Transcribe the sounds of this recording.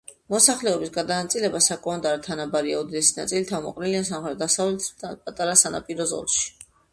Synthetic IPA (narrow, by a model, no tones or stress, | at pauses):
mɔsaχlɛɔbisɡad̪anat̪sʼilɛbasakʼɔmɛnd̪ʼaɾɛt̪ʰanabaɾiaɔd̪id̪ɛsina̰t̪sʼilit̪ʰamɔ̰qʼniliansamχɾɛt̪̚d̪asavlɛt̪ʰapʼat̪ʼaɾasana̰pʼiɾɔzɔ̰lˠʃi̥